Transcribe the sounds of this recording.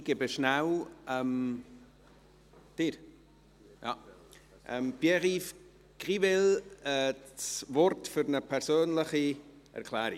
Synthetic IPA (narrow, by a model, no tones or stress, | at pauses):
ɡ̥ebəʃnawʔɛm | d̥iːɾ | ja̰ | ʔɛmbjɛʁif | ɡ̥ʁivɛlɛsvɔɾtfyɾnəpʰɛɾsøːnləχiʔɛ̰ɾkʰlɛːɾɪ